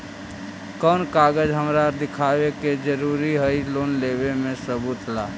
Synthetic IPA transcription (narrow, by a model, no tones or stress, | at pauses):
kɔːnkaːɡəd͡ʒɦəmɾad̪ɪkʰaːweked͡ʒəɾuːɾiɦəiloːnleːbemẽsəbut̪ʰlaː